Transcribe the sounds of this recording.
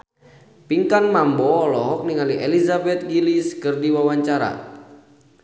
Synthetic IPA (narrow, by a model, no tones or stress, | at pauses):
piŋkanmambɔːlɔɦɔk̚niŋaliʔelizabɛt̪̚ɡiliskɨrdiwawaɲt͡ʃaɾa̰